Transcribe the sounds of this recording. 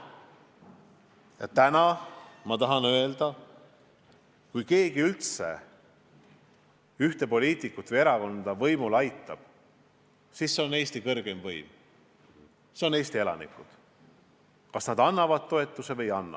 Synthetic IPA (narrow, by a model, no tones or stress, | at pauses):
jɑt̪ænɑmɑt̪ɑɦɑnøe̞ld̪̥ɑ | kujke̞ːɡ̥iylt̪se̞̰ | yht̪e̞po̞lʲiːt̪ˑikːˑut̪vɨjeɾɑko̞nd̪̥ɑvɤjmulɑjt̪ːˑɑb̥ | sisːe̞o̞ne̞ːst̪ikɤrɡ̥e̞mvɤjm | seo̞ne̞ːst̪ie̞lɑ̰nḭkːˑud̪̥ | kɑsnɑd̪̥ɑnːɑvɑd̪̥̚t̪ːo̞e̞t̪ːˑuse̞vɤjɑnːɑ̰